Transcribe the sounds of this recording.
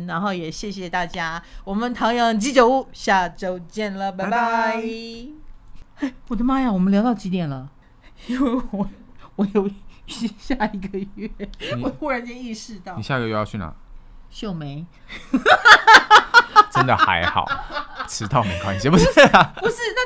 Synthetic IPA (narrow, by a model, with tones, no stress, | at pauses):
na˧˥nxo˥˩ʊjɛ˨˩ɕjɛ˥˩ɕ̬jɛ˨˩t̪a˥˩t͡ɕja˥wɔ˨˩mə˦nt̪ʰɑ˧˥ŋjɑ˧˥ŋt͡ɕi˧˥ʈ͡ʂə˨˩u˥˩ɕja˥˩ʈ͡ʂo˥ʊt͡ɕjɛ˥˩nlə˩pa˧˩a˥˧ | e˥˩ɪwɔ˨˩d̪ə˦ma˥ja˨wɔ˨˩mə˦nljt̪ɑ˥˩ʊt͡ɕi˧˥t̪̬jɛ˨˩nlə˩˧˥ | we˥˩wɔ˧˩ | wɔ˧˥jo˨˩ʊɕɕja˥˩i˧˥ɡə˧ɥɛ˥˩wɔ˧˦jo˨˧˩xu˥˩ɻa˧˥nt͡ɕɛ˥ni˥˧ʂɻ̩˥˧t̪ɑ˥˩˨ni˨˩ɕja˥˩i˧˥ɡə˧ɥɛ˥˩jt͡ɕʰy˥˩na̰˨˩ɕjo˥˩ʊme˧˥˦ɪ | ʈ͡ʂə˦nd̪ə̰˨a̰˧˥ɪxɑ̰˨˩˦ʈ͡ʂʰɻ̩˧˥t̪ɑ˥˩˨mḛ˨˧˩kʰwa̰˧˥ɕɛ˨˩pu˧˥ʂpu˧˥ʂɻ̩˥˩na˥˧